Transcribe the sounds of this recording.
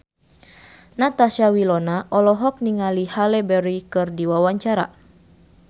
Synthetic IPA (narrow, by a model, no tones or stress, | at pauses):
nat̪aʃawilɔnaʔɔlɔɦɔk̚niŋalihalɛbɛɾikɨrdiwawaɲt͡ʃaɾa̰